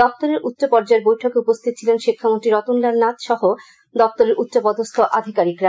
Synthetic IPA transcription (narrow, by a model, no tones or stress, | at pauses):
d̪ɔp̚t̪oɾeɾʔut̪ːɕopɔɾd͡ʑaeɾbojʈʰokeupost̪ʰit̪̚t͡ɕʰilenʃikʰːamonʈ̪ɾiɾɔt̪unlaɾnat̪ʃɔɦo | d̪ɔp̚t̪oɾeɾʔut̪ːɕopɔd̪ost̪ʰoʔad̪ʱikaɾikɾa